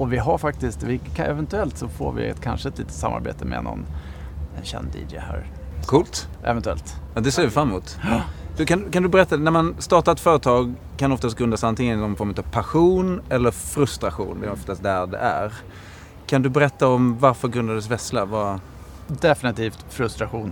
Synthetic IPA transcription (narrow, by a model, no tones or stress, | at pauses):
ɔvɪɦaɾfak̚t̪ɪst̪vɪkʰaʔɛvɛnt̪ɵɛlt̪sɔfo̰ːɾvɪ̰ɛ̰t̪kʰa̰nʂəɛt̪liːt̪ə̥t̪samːa̰ɾbḛːt̪ʰəmɛ̰nɔ̰nɛnɕɛ̰nd̪ḭːdɛ̰hæ̰ːɾ | kʰuːlt̪ʔɛ̰vɛnt̪ɵɛ̰lt̪jɑd̪ɛseːvɪfɾamːuːt̪d̪̥ɵkand̪kand̪ɵbɛɾɛt̪ːanæɾmanst̪ɑːʈat̪fœːɾət̪ʰɑːɡ | kʰanɔft̪ast̪̚ɡɾɵnd̪asant̪ɪŋənnɔmfɔɾmət̪ɑvpʰaɧuːnɛlːəɾfɾɵst̪ɾaɧṵːnvɪɔft̪ast̪̚d̪æɾɖɛ̰ʔæ̰ɾ | kʰand̪ɵbɛɾɛt̪ːaɔmvaɾfœɾɡɾɵnd̪ad̪ɛs̬vɛslava | d̪ɛfɪnɪt̪ʰiːft̪fɾɵst̪ɾaɧuːn